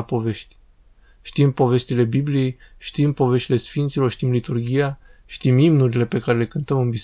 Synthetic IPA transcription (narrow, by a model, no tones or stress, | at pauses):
apo̞ve̞ʃt̪ʲ | ʃt̪impo̞ve̞st̪ile̞biblie̞jʃt̪impo̞ve̞ʃt̪ile̞sfint̪silo̞rʃt̪imlit̪urɡʲijaʃt̪imimnuɾile̞pe̞kaɾe̞le̞kɨnt̪əmɨnbis